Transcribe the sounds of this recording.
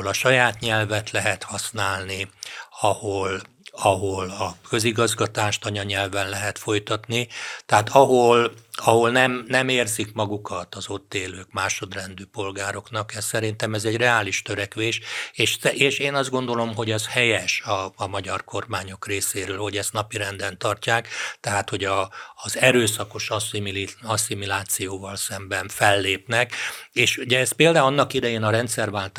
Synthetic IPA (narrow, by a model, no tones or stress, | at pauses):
lɒʃɒjaːt̪ɲɛlvɛt̪lɛɦɛt̪hɒsnaːlniɒhol | ɒɦolɒkø̞ziɡɒzɡɒt̪aːʃt̪ɒɲɒɲɛlvɛnlɛɦɛt̪fo̞jt̪ɒt̪nit̪ɛɦaːt̪ɒɦolɒɦo̞lnɛmnɛmeːrzikmɒɡukɒt̪ɒzo̞t̪ːeːløːkmaːʃo̞d̪rɛnd̪yːpo̞lɡaːɾo̞knɒkɛssɛɾint̪ɛmɛzɛɟrɛaːliʃt̪øɾɛkʋeːʃeːʃɛʔeːʃeːnɒzd̪ɡo̞nd̪o̞lo̞mɦo̞ɟɛzhɛjɛʃɒmɒɟɒrko̞rmaːɲo̞kreːseːɾøːlho̞ɟɛst̪nɒpiɾɛnd̪ɛnt̪ɒrcaːkt̪ɛɦaːt̪ho̞ɟɒːzɛɾøːsɒko̞ʃɒsimilɒsimilaːt̪sijoːvɒlsɛmbɛɱfɛlːeːpnɛkeːʃuɟɛɛspeːld̪aɒnːɒkid̪ɛjeːnɒɾɛnt̪sɛrvaːlt̪